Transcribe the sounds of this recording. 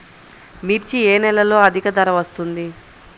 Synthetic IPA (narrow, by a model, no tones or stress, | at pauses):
miɾt͡ʃieːnɛlɐlo̞ːɐd̪ʱikɐd̪ɐɾɐʋɐst̪und̪i